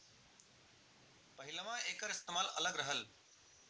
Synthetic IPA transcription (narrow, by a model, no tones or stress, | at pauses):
pəɦiləmãekəɾist̪emalə̰ləɡɾəɦəl